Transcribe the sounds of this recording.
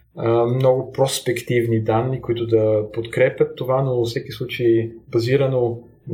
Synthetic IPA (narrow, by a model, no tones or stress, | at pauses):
mnɔɡʊpɾospɛkt̪ivnid̪anːikoit̪ʊd̪ɐpot̪kɾɛpjət̪ːovanofsɛkislˠut͡ʃejbɐziɾəno